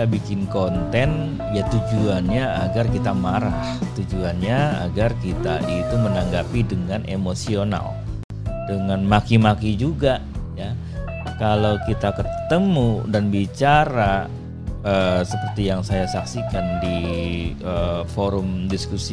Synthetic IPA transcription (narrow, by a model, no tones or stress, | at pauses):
abikɪnkont̪ɛn | jat̪ud͡ʒuanɲaːɡarkit̪amaɾaht̪ud͡ʒuanɲaa̰ɡarkit̪a̰ʔit̪umənaŋɡapidəŋanʔemosiona̰l | dəŋanmakimakid͡ʒuɡa | ja | kalawkit̪akət̪əmudanbit͡ʃaɾa | əːsəpərt̪ijaŋsajasaksikandi | əfoɾʊmdiskusi